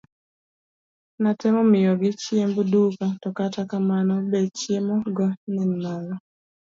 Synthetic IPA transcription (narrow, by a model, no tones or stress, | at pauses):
natɛmɔmɪɔɡɪt͡ʃiembudukatɔkatakamanɔbɛt͡ʃiemɔɡanɛnalɔ